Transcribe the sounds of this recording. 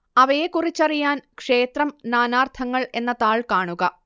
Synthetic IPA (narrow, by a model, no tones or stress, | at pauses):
ɐʋɐjekurit͡ɕːɐrijaːnkʂe̞ːt̪rɐmnaːnaːrt̪ʰɐŋːɐɭe̞nːɐt̪aːɭkaːɳuɣɐ